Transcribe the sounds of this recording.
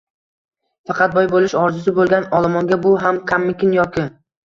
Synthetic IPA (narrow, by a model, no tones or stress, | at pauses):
fɑqʰɑt̪̚bɒjbolˠɪʃɒɾzʊs̬ɪbolˠɡʲanɒlˠamɒŋɡʲabʊɦamkʲʰamːɪkʲɪnjɒkʲɪ